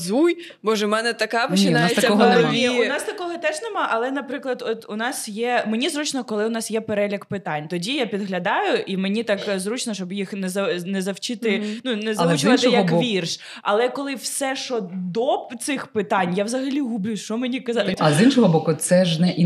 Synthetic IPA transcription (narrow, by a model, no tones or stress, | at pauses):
zuj | bɔʒɛmɛnɛt̪ɐkɑpɔt͡ʃʲɪnajest̪ɐkɔɦɔnɛmiʊnɑst̪ɐkɔɦɔt̪ɛʒnɛmɑʔɐlˠɛnɐpɾɪklˠɐd̪ɔt̪ʊnɑsjɛmenʲizɾut͡ʃnɔkɔlˠɪʊnɑsjɛpeɾɛlʲikpɪt̪ɑnʲt̪ɔdʲijapʲid̪ɦlʲɐd̪ɑjʊʔimenʲit̪ɑkzɾut͡ʃnɔʃt͡ʃɔbjixnɛzɐnɛzɐwt͡ʃɪt̪ɪnunɛzɐt͡ʃʋat̪ɪjɐkʋʲirʃ | ɐ̰lˠɛkɔlˠɪwsɛʃɔd̪ɔt̪sɪxpɪt̪ɑnʲjawzɐɦɐlʲiɦʊblʲuʃt͡ʃɔmenʲikɐzɑt̪ʲɐzinʃɔɦɔbɔkʊt̪sɛʒnɛʔi